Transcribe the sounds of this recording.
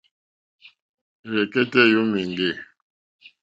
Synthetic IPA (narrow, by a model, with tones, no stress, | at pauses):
ɣɛ˨ke˦tɛ˦ju˦mi˨ŋɡe˦˨